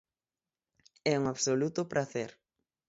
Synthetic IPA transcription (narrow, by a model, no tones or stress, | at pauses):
ɛuŋaβsolut̪ʊpɾʔaθeɾ